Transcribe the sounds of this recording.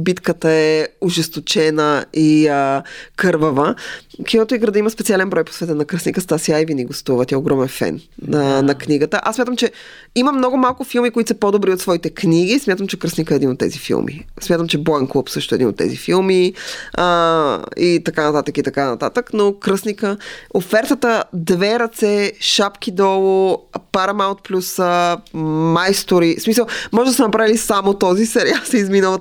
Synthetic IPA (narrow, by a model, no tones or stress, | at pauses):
bit̪kət̪əɛʊʒɛst̪ot͡ʃɛnəiəkɤɾvəvəkinot̪oiɡɾəd̪əiməspɛtsialɛnbɾɔjpo̥svɛt̪ɛnɐkɾəsnikəst̪asiajviniɡost̪uvət̪ʲiɛoɡɾɔmɛnfɛ̰nənɐkniɡət̪əʔasmʲat̪əmt͡ʃɛ | iməmnɔɡʊmalˠkʊfilˠmikoit̪səpod̪obɾiot̪svɔit̪ɛkniɡismʲjat̪əmt͡ʃɛkɾəsnikəɛːd̪inot̪ːɛ̰zifḭlˠmʔḭsmʲjat̪əmt͡ʃɛbɔɛnklˠopsɤʃt̪ʊɛd̪ino̰t̪ːɛ̰zḭfilˠmiə | it̪ɐkanɐt̪at̪əkit̪ɐkanɐ̰t̪at̪əknokɾəsnikəofɛɾt̪ət̪əd̪vɛɾɐt̪sɛʃapk̟id̪ɔlˠopaɾɐmaʊt̪̚plʲusə | majst̪oɾismisəlˠmɔʒɛd̪ɐsɛnɐpɾavilisamot̪ɔzisɛɾialˠsɛizminəlˠ